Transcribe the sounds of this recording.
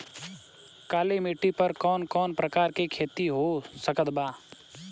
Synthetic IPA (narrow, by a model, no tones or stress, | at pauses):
kaːlemeʈːipəɾkɔːnkɔːnpɾəkaːɾkekʰeːt̪iɦosəkəd̪baː